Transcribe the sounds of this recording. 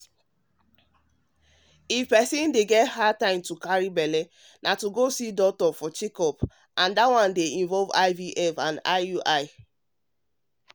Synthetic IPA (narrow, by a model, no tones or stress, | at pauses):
ifpɛsĩndeɡɛtɦad̚tãɪ̃mtukaɹibɛle | nʔatuɡosidɔk̚tɔfɔt͡ʃikɔp | ãndawãndeĩnvɔlva̰ɪviʔɛfãna̰ɪuʔaɪ